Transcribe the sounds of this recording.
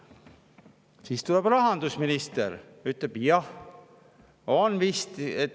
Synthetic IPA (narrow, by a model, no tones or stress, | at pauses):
siːst̪uleb̥rɑɦɑnd̪̥usminist̪eɾ | yt̪leb̥jɑh | onvist̪et̪